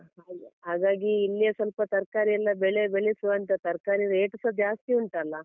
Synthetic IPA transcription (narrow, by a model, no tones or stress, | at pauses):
ɦaːɦaːɡaːɡiːlːijesɐlpɐt̪ɐɾkaːɾiɐlːɐbɛɭebeɭisuʋɐnt̪ɐt̪ɐɾkaːɾiɾeːʈɐsɐd͡ʒaːst̪iuɳʈɐlːɐ